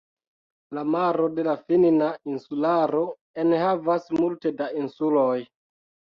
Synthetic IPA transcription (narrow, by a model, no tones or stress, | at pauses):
lamaɾo̞de̞lafininainsulaɾo̞ | enhavasmulte̞dainsuloj